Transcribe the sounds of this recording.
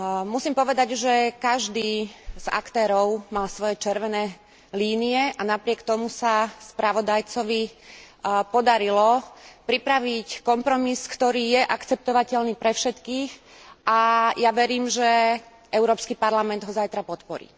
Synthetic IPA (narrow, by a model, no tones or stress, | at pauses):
musiːmpɔʋɛd̪aɟʒɛkaʒd̪iːz̥a̰kt̪ɛːɾɔʊmalsʋɔjɛt͡ʃɛɾʋɛnɛː | liːniɛʔanapɾɪɛkt̪ɔmusaspɾaʋɔd̪ajt͡sɔʋi | pɔd̪aɾilɔpɾipɾaʋickɔmpɾɔmiskt̪ɔɾiːjɛʔakt͡sɛp̚t̪ɔʋacɛlniːpɾɛfʃɛt̪kiːxʔajaʋɛɾiːmʒɛ | ʔɛʊɾɔːpskipaɾlamɛnd̪ɦɔzajt̪ɾapɔt̪pɔɾḭː